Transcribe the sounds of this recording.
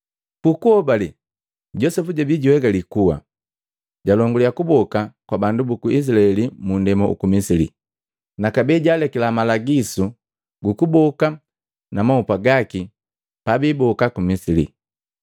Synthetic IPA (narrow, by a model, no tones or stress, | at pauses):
pukuɔbali | ɟɔsɛfuɟabiɟuwɛɡalikuwa̰ | ɟalɔŋɡulijakubɔkakwabandubukuis̬ilaɛlimundɛmɔṵkumisilḭ | nakabɛɟaːlɛkɛlamalaɡisu | ɡukubɔka | namaupaɡaki | pabiːbɔkakumisilḭ